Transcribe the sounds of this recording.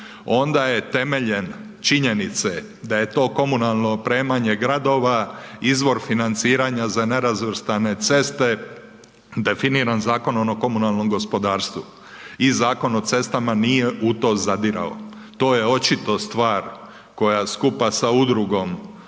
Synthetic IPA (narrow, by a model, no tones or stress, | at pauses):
o̞nd̪aje̞t̪e̞me̞ʎe̞n | t͡ʃiɲe̞nit̪se | d̪aje̞t̪o̞ːko̞munalˠno̞pɾe̞ːmaɲe̞ɡɾad̪o̞ːʋaizʋo̞ɾfinant̪siːɾaɲazane̞ɾazʋr̩st̪ane̞t̪se̞st̪e̞ | d̪e̞finiːɾanzaːko̞nonoko̞munalˠno̞mɡo̞spo̞d̪aːɾst̪ʋu | izaːko̞no̞t̪se̞st̪amanije̞ʔut̪o̞ːzad̪iɾa̰o̰ | t̪o̞ːje̞o̞t͡ʃit̪o̞st̪ʋaːɾ | ko̞jaskupasaud̪ɾuɡo̞m